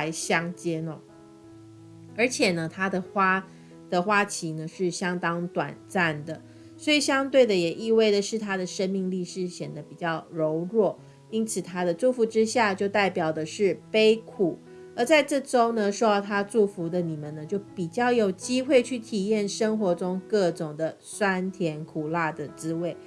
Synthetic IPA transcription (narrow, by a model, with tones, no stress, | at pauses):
a˧˥ɪɕjɑ˥ŋt͡ɕjɛ˥nɔ̰˧ | ə˞˧˥t͡ɕʰjɛ˨˩nə˦t̪ʰa˥d̪ə˨xwa˥ | d̪̥ə˨xwa˥t͡ɕʰi˧˥nə˧ʂɻ̩˥˩ɕjɑ˥ŋt̪ɑ˥ŋt̪wa̰˨˩nt͡sa˥˩nd̪ə˩ | swɔ˧˥i˨˩ɕjɑ˥ŋt̪we˥˩ɪd̪ə˩jɛ˨˩ʔi˥˧we˥˩ɪd̪ə˩ʂɻ̩˥˩t̪ʰa˥d̪ə˨ʂə˥nmi˥˧ŋli˥˧ʂɻ̩˥˩ɕjɛ˨˩nd̪ə˦pi˨˩t͡ɕjɑ˥˩ʊɻo˧˥ʊɻwɔ˥˩ | i˥nt͡sʰɹ̩˨˩t̪ʰa˥d̪ə˨ʈ͡ʂu˥˩fu˧˥ʈ͡ʂɻ̩˥ɕja˥˧t͡ɕjo˥˧ʊt̪a˥˩ɪpjɑ˨˩ʊd̪ə˦ʂɻ̩˥˩pe˥ɪkʰu˨˩ | ə˧˥t͡sa˥˧ɪʈ͡ʂɤ˥˩ʈ͡ʂo˥ʊnə˨ʂɔ˥ʊɑ˥˩t̪ʰa˥ʈ͡ʂu˥˩fu˧˥d̪ə˨ni˨˩mə˨nə˦t͡ɕjo˥˩ʊpi˨˩t͡ɕjɑ˥˩ʊjo˨˩ʊt͡ɕi˥xwe˥˧ɪt͡ɕʰy˥˩t̪ʰi˨˩jɛ˥˩nʂə˥ŋxwɔ˧˥ʈ͡ʂʊ˥ŋkɤ˥˩ʈ͡ʂʊ˨˩ŋd̪ə˦ | swa˥nt̪ʰjɛ˧˥nkʰu˨˩la˥˩d̪ə˩t͡sɹ̩˥we˥˩ɪ